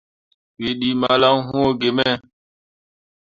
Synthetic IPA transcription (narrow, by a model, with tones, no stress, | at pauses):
we˨ɗi˨ma˨˦la˦ŋɦũ˦o˦˨ɡe˨mɛ˦˨